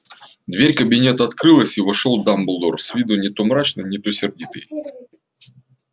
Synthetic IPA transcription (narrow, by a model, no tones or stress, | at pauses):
d̪vʲeɾʲkəbʲɪnʲet̪ɐɐt̪kɾɨlˠəsʲivɐʂolˠd̪amblˠd̪orsʲvʲid̪ʊnʲɪt̪ʊmɾat͡ɕnɨnʲɪt̪osʲɪrdʲit̪ɨ̰j